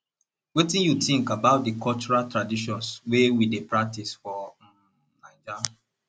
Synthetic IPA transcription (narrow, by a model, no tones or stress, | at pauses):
wetĩnjutĩŋkabaʊt̚dəkɔlt͡ʃuɹaltɹadiʃɔ̃nswewidepɹak̚tisfɔ | naɪd͡ʒa